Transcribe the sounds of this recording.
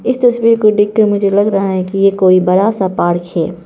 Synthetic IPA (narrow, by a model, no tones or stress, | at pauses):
ɪst̪ɐswiːɾkoɖɪkːəɾmʊd͡ʒʱelɐɡɾɐɦaɦɛkijekoːibɐɾaːsapaːɽkhɛː